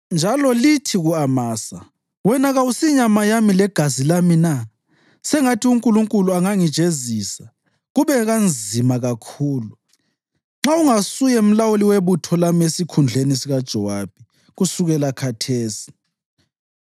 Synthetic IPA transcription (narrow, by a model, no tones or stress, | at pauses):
nd͡ʒʱalɔlitʰiɣuamaːsa | wɛnaɣawusiɲamajamilɛɡ̥ʱazilamina | sɛŋatʰiuŋkʼuluŋkʼuluaŋaŋid̥ʒ̥ʱezisa | ɣuβɛɣand͡zʱimaɣakʰuːlu | ŋ͡ǁauŋasujɛum̩lawuliweβutʰɔlamesikʰund͡ɮʱenisiɣad̥ʒ̥ʱɔwab̥ʱi | ɣusuɣɛlakʰatʰeːsi̥